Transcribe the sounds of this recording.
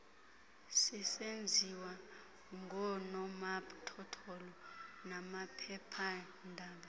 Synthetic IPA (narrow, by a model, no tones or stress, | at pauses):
sisend͡zʱiwa | ŋɡʱɔnɔmatʰɔtʰɔlɔnamapʰɛpʰa | ndʱaːɓa